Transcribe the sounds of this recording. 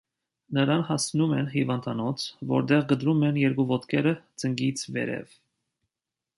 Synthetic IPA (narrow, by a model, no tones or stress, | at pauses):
nəɾɑnhɑsnumɛnhivɑnt̪ʰɑnɔt͡sʰvɔ̰ɾt̪ɛʁɡəd̪ɾumɛnjɛɾkuvɔt̪kʰɛɾəd͡zəŋɡit͡sʰvɛ̰ɾɛ̰v